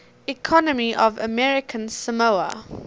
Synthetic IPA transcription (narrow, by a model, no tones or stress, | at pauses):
ɪkʰɔnəmiʔɔvə̰mɛɹɪkʰə̃nsəmoʊə̰